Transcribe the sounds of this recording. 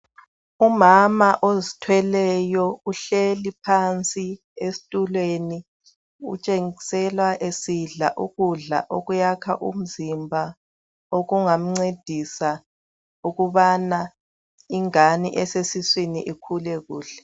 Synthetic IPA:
umamaʔozitʰwɛlɛjɔuɬelipʰant͡sʼi | esi̥tʼulweni | ṵt͡ʃʼeŋisɛlwaʔesiɮa̰ʔuɣuɮa̰ʔoɣujakʰaʔṵm̩zimbʱa | oɣuŋam̩ŋ͡ǀed̥ʱisa | uɣuβana | iŋaniʔɛsesiswinḭʔikʰulɛɣuːɬɛ̥

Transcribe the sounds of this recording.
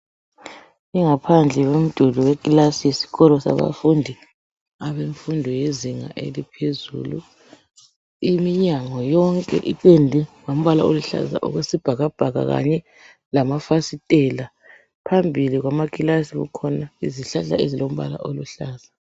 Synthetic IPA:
iŋapʰand͡ɮʱɛwem̩d̥ʱuluwekʼilasijesi̥ɣɔlɔsa̰βa̰fundʱi | aβeɱfundʱɔjeziŋa̰ʔḛlipʰezṵlṵ | imiɲaŋɔjɔŋkʼɛ̰ʔiǃɛndʱɛwom̩βalaoluɬa̰za̰ʔṵɣwesib̥ʱaɣab̥ʱaɣa̰ɣa̰ɲɛ | lamafasitʼɛla | pʰambʱiliɣwamakʼilasiɣṵkʰɔnaiziɬaɬa̰ezilom̩βa̰la̰ʔoluɬaːz̥a

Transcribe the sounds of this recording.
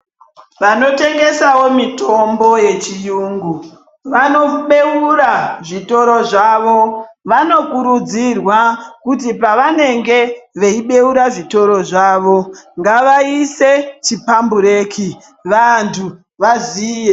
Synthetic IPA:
ʋano̞te̞ŋɡe̞sawo̞mito̞mbo̞je̞t͡ʃijuːŋɡu | ʋano̞ɓe̞uɾaʐito̞ɾo̞ʐaʋo̞ʋano̞kuɾud͡zirwakutipaʋane̞ŋɡe̞ʋe̞iɓe̞uɾaʐito̞ɾo̞ʐaːʋo̞ŋɡaʋaise̞t͡ʃipambuɾe̞ːkʰi | ʋantʰu | ʋazije

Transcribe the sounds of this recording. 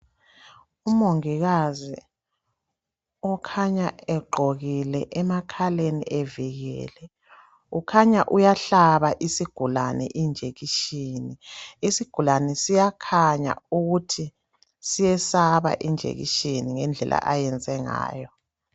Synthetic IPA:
umoŋiɣazi | ɔkʰaɲaɛɡ͡ǃʱoɣilɛʔɛmakʰalenḭʔɛviɣɛ̰ːlɛ | ukʰaɲaʔujaɬaβaʔisiɡ̥ʱulanɛ̰ʔind͡ʒʱeɣiʃiniisiɡ̥ʱulanɛsijakʰaɲa̰uɣutʰi | sijɛsaβa̰ʔind͡ʒʱḛɣḭʃiniŋɛnd͡ɮʱɛ̰lʔa̰ʔajɛnd͡zʱɛŋa̰ːjɔ

